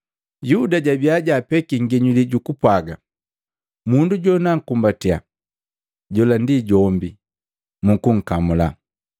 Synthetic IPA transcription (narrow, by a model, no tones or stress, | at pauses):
judaɟabiaɟapɛkiŋ̩ɡɛɲuliɟukupwaɡa̰ | munduɟɔnaŋ̩kumbatia̰ | ɟɔlandiɟɔmbi | mukuŋ̩kamula̰